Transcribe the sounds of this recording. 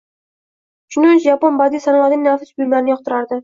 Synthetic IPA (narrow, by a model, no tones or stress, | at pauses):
ʃʊnɪɪt͡ʃʒaponbad̪isanlˠad̪ɪŋʲnafɪ̥sbʊjmaɾnɪjɒq̚t̪ɪɾaɾd̪ɪ